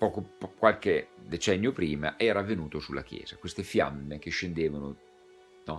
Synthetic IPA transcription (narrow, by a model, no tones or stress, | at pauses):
pɔːkopkwalked̪et͡ʃɛnːjopɾiːma̰ʔɛːɾaːvːenuːt̪osulːa̰k̟jɛ̰ːz̥akwest̪efja̰mːek̟eʃːend̪eːvano | nɔ